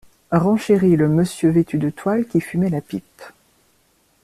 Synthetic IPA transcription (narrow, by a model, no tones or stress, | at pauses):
ʁɑ̃ʃeʁiləməsjøvet̪yd̪ət̪walkʲifymɛlapip